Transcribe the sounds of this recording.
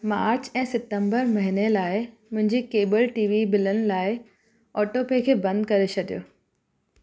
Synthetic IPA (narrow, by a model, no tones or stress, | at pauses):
maːɾt͡ɕɛ̃ːsɪt̪ə̃mbəɾmɐɦinelaːɪ | mʊ̃ɦɪ̃ɲd͡ʑikeːbəlʈiːʋimɪlənɪ̆laːɪ | ɔːʈopekʰeːbɐ̃nd̪̚kɐɾet͡ɕʰɐɗijo̰ː